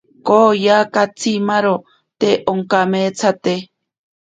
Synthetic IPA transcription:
kojakat͡sʰimaɾo | t̪eʔoŋkamet͡sʰat̪e

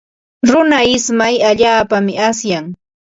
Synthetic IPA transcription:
ɾʊnaɪsmajaʎaːpamɪasjaŋ

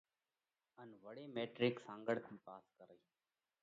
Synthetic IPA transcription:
ənʋəɽeːmeːʈɾɪksãːŋɡəɽkʰiːpaːskəɾə

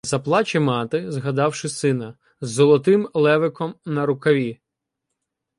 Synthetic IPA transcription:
zɐplˠɑt͡ʃʲɪmɑt̪ɪzɦɐd̪ɑwʃɪsɪnɐ | zːɔlˠɔt̪ɪmlˠɛʋɪkɔmnɐɾʊkɐʋʲi

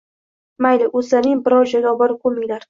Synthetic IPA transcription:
majlɪʔosanɪŋbɪɾɒwʒaɡʲaːbɒɾkʰomɪjlaɾ

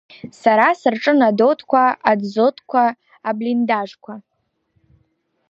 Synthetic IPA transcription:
saɾasɨrʈ͡ʂʼɨnado̞tʰʼkʷʰaadzotʰʼkʷʰaː | blindaʐkʷʰa

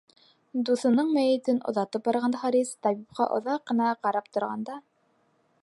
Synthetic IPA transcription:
d̪uθɤ̆nɤɴmæjɘ̆t̪ɘnŏ̰ðɑt̪ɤp̚bɑɾʁɑnd̪ɑχɑɾist̪ɑβip̚qɑ̰ʔŏ̰ðɑqːɤ̆nɑqɑɾɑp̚t̪ŏɾʁɑ̰nd̪ɑ

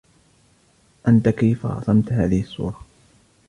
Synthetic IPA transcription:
ʔant̪akejfa̰ʔɑ̰sˤɑmt̪haːðɪhɪsˤːṵːɾˤɑ

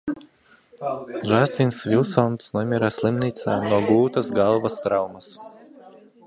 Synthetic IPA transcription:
ʒasʲt̪ʲinsvʲilˠsɔnt̪snuɔmʲiɾaːsʲlˠimnʲiːt̪saːnuɔɡlˠuːt̪ɐsɡalˠvɐst̪ɾawmɐs

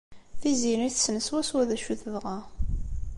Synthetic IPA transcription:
θiziniθsːnəswæswæðæʃuθəðʁɑ

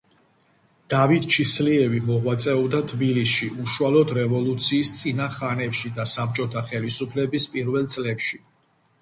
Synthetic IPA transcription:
d̪̥avit̪̚t͡ʃʰisliɛvimɔʁwat̪sʼɛɔbd̪at̪ʰbilisʃiʔuʃualɔd̪ɾɛvɔlˠut̪sʰiːst̪sʼinaχanɛpʃid̪asap̚t͡ʃʼɔt̪ʰaχɛlisupʰlɛbispʼiɾvɛlˠt̪sʼlɛpʃi

